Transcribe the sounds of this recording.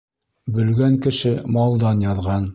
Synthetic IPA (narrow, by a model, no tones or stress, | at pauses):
bɵ̆lɡæŋkɘ̆ʃɘmɑlˠd̪ɑnjɑðʁɑn